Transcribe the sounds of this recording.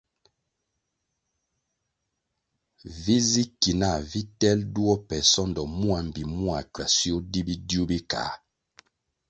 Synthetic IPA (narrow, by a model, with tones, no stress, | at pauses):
vi˦zi˦ki˨na˦˨vi˦tɛ˦ldu˦ɔ˦pɛ˨sɔ˦ndɔ˨mu˦a˨m̩˨bi˨mu˦a˨ka˨sjo˦di˦bi˦dju˦bi˦ka̰˨˦